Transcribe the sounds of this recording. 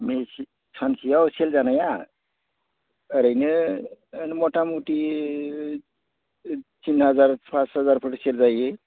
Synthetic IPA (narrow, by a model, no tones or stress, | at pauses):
mesi | t͡sʰansʰijawseld͡zanaja | əɾəjneənmoʈamuʈi | t͡ʃinɦəd͡zaɾpasɦəd͡zaɾpʰəʈseld͡zaje